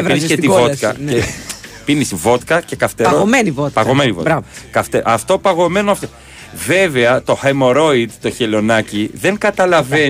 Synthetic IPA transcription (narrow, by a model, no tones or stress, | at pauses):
vinisket̪ivokɐnepinisivo̞t̪kɐce̞kɐft̪eɾoomenivot̪pɐɣomenivo̰tɾkɐft̪eɐft̪o̞pɐɣo̞me̞noɐft̪o | ve̞veɐt̪o̞xemoɾo̞id̪t̪o̞çelo̞nɐciðe̞ŋɡɐt̪ɐlɐve